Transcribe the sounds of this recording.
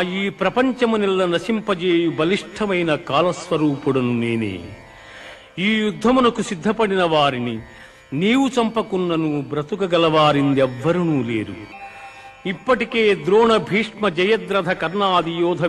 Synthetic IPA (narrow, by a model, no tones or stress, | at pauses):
iːpɾɐpɐɲt͡ʃɐmunɛlːɐnɐʃimpɐd͡ʒeːjubɐliʂʈʰɐmɐjnɐkaːlɐsʋɐɾuːpuɽɐnuneːnḛː | iːjud̪ʱːɐmunɐkusid̪ʱːɐpɐɽinɐʋaːɾini | niːwut͡ʃɐmpɐkunːɐnubɾɐt̪ukɐɡɐlɐʋaːɾind̪ɛʋːɐɾunuːlḛːɾu | ipːɐʈike̞ːd̪ɾoːɳɐbʱiːʂmɐd͡ʒɐjɐd̪ɾɐd̪ʱɐkɐɾnaːd̪ijɔːd̪ʱɐ